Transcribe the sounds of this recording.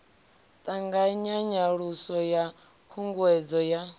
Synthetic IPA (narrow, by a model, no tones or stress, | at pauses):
t̪ʼaŋɡaɲaɲaɺusɔja | kʰuŋɡwɛd͡zɔja